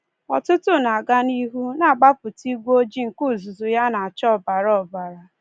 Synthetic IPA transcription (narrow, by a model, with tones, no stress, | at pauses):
ɔ̰˨tʊ˦tʊ˦na˨a˨ɡa˦ni˦ɦu˦na˨ɡ͡ba˦pʊ˨ti˦ɡʷo˦d͡ʒi˦ŋ̩˨ku˦˨zʊ˨zʊ˨ja˦na˨a˨t͡ʃɔ˦˨ba˨ɾɔ˦˨ba˨ɾa˨